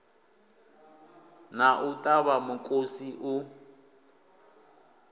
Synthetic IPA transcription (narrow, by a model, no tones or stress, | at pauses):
naʔutʼaβamukʼosiʔu